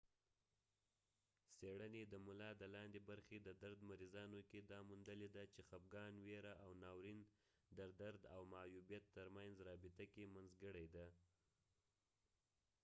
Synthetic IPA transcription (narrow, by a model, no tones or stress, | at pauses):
seɽəned̪əmʊlɑd̪əlɑnd̪ebaɾxed̪əd̪aɾd̪maɾizɑnoked̪ɑmund̪əled̪at͡ʃexap̚ɡɑnweɾaʔawnɑwɾin | d̪əd̪aɾd̪a̰wmajubjat̪ːəɾmanzɾɑbɪt̪akemanzɡəɽajd̪a